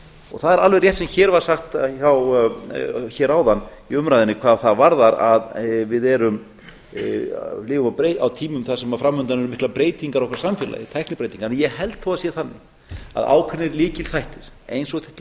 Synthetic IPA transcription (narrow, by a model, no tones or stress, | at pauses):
ɔ̰ɣθaðɛɾalvɛjrjɛht̪sɛmçɛːɾvaɾ̥saxt̪çaw | çɛːɾawðanːiʏmɾajðɪnɪkʰvaːðθaðvaɾðaɾa̰ðvɪðɛɾʏm | lɪːvʏmawpɾejawt̪ʰiːmʏmθasɛmafɾamːʏnt̪anɛɾʏmɪhklapɾeːjt̪iŋkaɾɔhkvɾsamfjɛla̰jɪt̪ʰɛjhknɪpɾeːjt̪iŋkanjɛhɛlt̪ːɔwaðsjɛθanːɪ̰ | a̰ða̰ːwkʰɛnːɪɾliːcɪlθajht̪ɪɾ̥ejnsɔɣθɛ̥ht̪